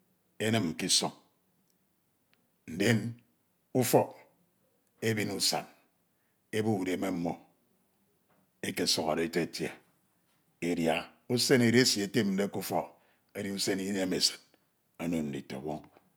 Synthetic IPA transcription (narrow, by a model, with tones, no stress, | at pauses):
e˦nɨ˦m̩˨ki˦sɔ˨ŋ | n̩˨de˦n | u˦fɔ˦k | e˦bi˦nu˨sa̰˨n | e˦bu˦u˨ɾe˨me˦m̩˦mːo˦ | e˦ke˨sɔ˦˨ka̰˨ɾe˨e˨te˦e˨tjḛ˨ | e˨ɾja˨ | u˦se˦ne˨ɾe˦sje˨te˦m̚n̩˨˦de˦ku˦fɔ˦ | e˦ɾi˦u˦se˦ni˦ne˦me˨sɨ̥˨n | a˦no˨n̩˨dḭ˨to̰˨wɔ˦ŋ